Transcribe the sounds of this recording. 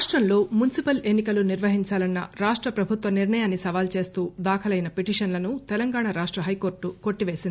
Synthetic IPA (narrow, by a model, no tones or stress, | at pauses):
ʂʈɾɐnlo̞ːmunisipɐle̞nːikɐluniɾʋɐɦiɲt͡ʃaːlɐnːɐ̰ɾaːʂʈɾɐpɾɐbʱut̪ʋɐniɾɳɐjaːnːisɐʋaːlt͡ʃe̞ːst̪uːd̪aːkʰɐlɐjnɐpiʈiːʂɐnlɐnut̪ɛlɐŋɡaːɳaɾaːʂʈɾɐɦɐjko̞ːɾʈːuko̞ʈːiʋe̞ːsind̪i